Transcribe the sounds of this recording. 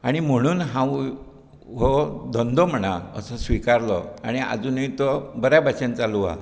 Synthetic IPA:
aɽ̃im̤əɽ̃uːnɦãw | ɦɔd̪ʱɔnd̪ʱɔm̤əɽ̃aə̰səsʋikaɾlɔaɽ̃ia̰d͡zuːnit̪ɔbəɾjabʱat͡ɕãnt͡saluʋa̰

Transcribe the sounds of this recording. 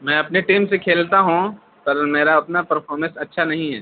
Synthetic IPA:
mɛ̃ːɐpneʈiːmsekʰeːlt̪aɦũ | pɐɾmeːɾaʊt̪napɐɾpʰɔːɾmə̃nsɐtːʃʰanɐɦĩɦɛ̰ː

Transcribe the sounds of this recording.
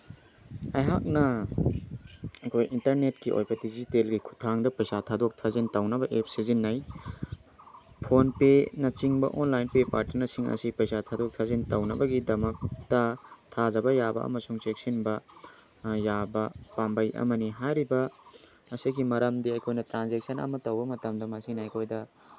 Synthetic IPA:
ɐjɦak̚nɐ | ɐkʰojʔintɐɾnetkiʔo̰jbɐdizitelɡikʰu̥tʰaŋdɐpɐjsatʰadok̚tʰazintawnɐbɐʔep̚sizinːɐj | pʰonpenɐt͡ʃiŋbɐ̰ʔonlajnpepaɾtiɾnɐsiŋɐ̰sipɐjsatʰadok̚tʰazintawnɐbɐɡidɐmɐk̚tɐtʰad͡ʒɐbɐjabɐ̰ɐ̰mɐsuŋt͡ʃek̚sinbɐ | jabɐpambɐjʔɐ̰mɐniɦajɾibɐ | ɐsiɡimɐɾɐmdiɐjkʰojnɐtɾanzek̚sɐnɐ̰mɐtɐwbɐmɐtɐmdɐmɐsinɐɐjkʰojdɐ

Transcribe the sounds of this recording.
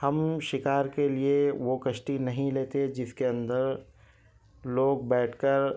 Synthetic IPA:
hɐmʃɪkaːɾkelieʋokɐʃʈinɐɦĩleːt̪ed͡ʒɪskeɐ̃nd̪əɾ | loːɡ̚bɛːʈʰkəɾ

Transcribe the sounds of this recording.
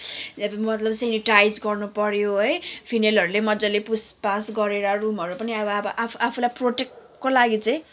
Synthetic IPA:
ʌbmʌt̪lʌbseniʈajd͡zɡʌrnupʌɾjoɦʌjpʰinelɦʌɾulemʌd͡zʌlepuspasɡʌɾeɾarumɦʌɾupʌniʌbʌʌbʌʔapʰapʰulajproʈek̚ʈ | kolaɡit͡saj̃

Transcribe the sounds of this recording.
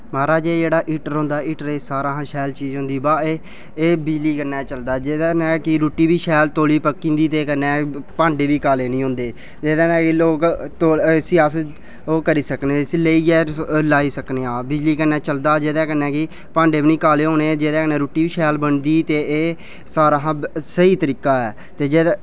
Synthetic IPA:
maːɾaːd͡ʒeːd͡ʒeːɽaːʔiːʈəɾɦõːnd̪aːiːʈəɾeːsaːɾãːɦãːʃɛːlt͡ʃiːd͡ʒɦʊ̃nd̪iːbaːeː | eːbɪd͡ʒliːkəɾnɛːt͡ʃəld̪aːd͡ʒeːd̪aːnɛːkɪɾoːʈiːbiːʃɛːlt̪oːliːpəkːĩːnd̪iːt̪eːkənːɛːpãːɳɖeːbiːkaːleːnĩːɦõːnd̪eː | d͡ʒeːd̪ãːnɛ̃ːkɪloːkt̪oːsɪaːsə | oːkəɾiːsəkneːleiːɛːlaːiːsəkneːãːbɪd͡ʒliːkəɾnɛːt͡ʃəld̪aːd͡ʒeːd̪ɛːkənɛ̃ːkɪ | pãːɳɖeːbiːnĩːkaːleːɦõːneːd͡ʒeːd̪ɛːkənɛːɾoːʈiːbiːʃɛːlbəɳd̪iːt̪eːeː | saːɾaːɦãːsəiːt̪əɾiːkaːɛː | t̪eːd͡ʒeː

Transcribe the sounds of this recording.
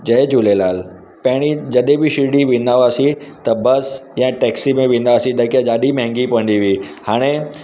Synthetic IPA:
d͡ʑɐed͡ʑulelaːl | pɐ̃ɦɪɽ̃id͡ʑɐɗebɪʃɪɽiʋɪ̃nd̪aʋaːsit̪ɐbɐsjãːʈɛːksimẽʋĩnd̪aʋaːsĩɗɐkjãɗaːɗim̃ɦɛ̃ŋɡipʋə̃nd̪iʋiːhaːɽ̃e

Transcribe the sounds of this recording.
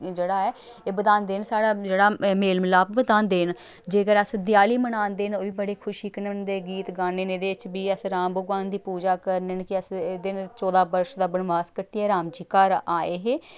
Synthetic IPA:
d͡ʒeːɽaːɛː | eːbəd̪aːnd̪eːnsaːɽaːd͡ʒeːɽaːmeːlmlaːbbəd̪aːnd̪eːn | d͡ʒeːkəɾəsd̪ɪjaːliːmənaːnd̪eːnoːʋiːbəɽeːkʰʊʃiːkənənd̪eːɡiːt̪ɡaːneːneːd̪eːɪt͡ʃbiːəsɾãːmbəɡʋãːnd̪iːpuːd͡ʒaːkəɾnenkɪəsd̪ɪnt͡ʃɔːd̪aːbəɾʃd̪aːbənʋaːskəʈːiɛːɾaːmd͡ʒiːkaːɾaːeːɦeː

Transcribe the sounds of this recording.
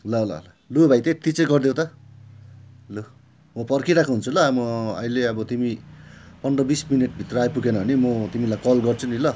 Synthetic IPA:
lʌla̰la | luebʱajt̪et̪it͡sẽɡʌrd̪ew̃t̪ʌ | lo | mʌpʌrkʰiɾakʰuɦunt͡sʰulʌamʌʌ̰ileʌbʌt̪imipʌnɖrʌbismineʈ̚bʱit̪rʌajpukenʌɦʌnimʌt̪imilajkʌlɡʌrt͡sʰunilʌ

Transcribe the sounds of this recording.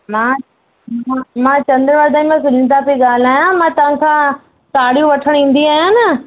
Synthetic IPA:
mãː | mãmãːt͡ɕɐ̃nd̪əɾʋaːɾd̪aːĩmãsʊlɪ̃nt̪̬apeɡaːl̤aːjãmãːt̪ɐʋ̤ãkʰãː | kaːɽijũʋɐʈʰəɽ̃ĩːn̆d̪iaːɦjãnɐ

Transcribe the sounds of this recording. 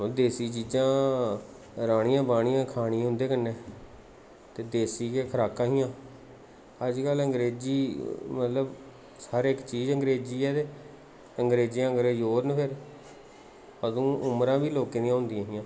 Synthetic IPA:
oːd̪eːsiːt͡ʃiːd͡ʒãː | ɾaːɽ̃ɪ̃jãːbaːɽ̃ɪjãːkʰaːɽ̃ĩːɦʊ̃nd̪eːkənːeː | t̪eːd̪eːsiːkeːkʰəɾaːkãːɦɪjãː | əd͡ʒkələŋɡɾeːd͡ʒiːmət̪ləb | səɾɪkt͡ʃiːzəŋɡɾeːd͡ʒiːɛːt̪eː | əŋɡɾeːd͡ʒijãːɡɾeːjoːɾnpʰɪɾ | əd̪ũːʊmɾãːbiːloːkeːnĩjãːɦʊ̃nd̪ɪjãːɦɪjãː

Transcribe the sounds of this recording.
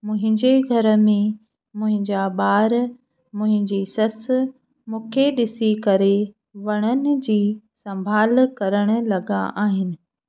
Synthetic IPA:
mʊ̃ɦɪ̃ɲd͡ʑeɡʱɐɾə̆mẽ | mʊ̃ɦɪ̃ɲd͡ʑaɓaːɾ | mʊ̃ɦɪ̃ɲd͡ʑiːsɐs | mũːkʰeɗɪsikɐɾe | ʋɐɽ̃ənɪ̆d͡ʑiː | sɐ̃mbʱaːlkɐɾəɽ̃ʊ̆lɐɡa̰ʔaːɦɪnɪ̆

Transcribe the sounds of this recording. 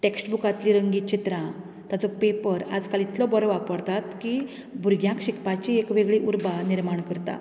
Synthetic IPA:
ʈeksʈbukat̪liɾəŋɡit͡ɕit̪ɾã | t̪jat͡sɔpepəɾa̰d͡zkalit̪lɔbɔɾɔʋapəɽt̪at̪ki | bʱuɾɡjãkɕikpat͡ɕiekʋeɡɭiʔuɾbaniɾmaɳkəɾt̪a̰

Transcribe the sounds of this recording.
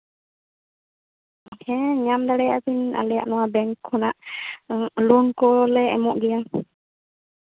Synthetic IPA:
hɛ̃ɲamd̪aɽɛjaʔpina̰lɛja̰ʔnɔwabɛŋkʰːɔnaʔ | lunkɔlɛɛ̰mɔʔɡɛja

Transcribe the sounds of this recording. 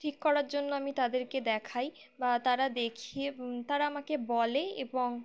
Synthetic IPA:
ʈʰikːɔɾaɾd͡ʑonːoamit̪ad̪eɾked̪ɛkʰaj | bat̪aɾad̪ekʰit̪aɾaamakebɔleeboŋ

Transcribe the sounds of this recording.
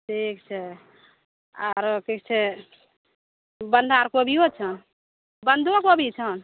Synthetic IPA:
ʈʰikt͡ʃʰɛ | a̰ɾkik̚t͡ʃʰɛ | bənd̪ʱaɾkobʱiot͡ʃʰən | bənd̪ʱuakobʱit͡ʃʰən

